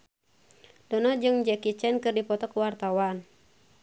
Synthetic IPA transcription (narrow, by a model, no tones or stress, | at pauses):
dɔnɔd͡ʒɨŋd͡ʒɛkit͡ʃɛnkɨrdipɔt̪ɔkuwart̪awan